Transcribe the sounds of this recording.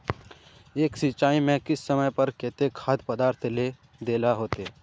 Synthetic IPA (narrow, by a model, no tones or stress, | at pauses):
eːksit͡ʃaːimẽkɪsːəməjpɐɾkeːt̪ekʰaːd̪pəd̪aːɾt̪ʰle | d̪eːlaɦoːt̪e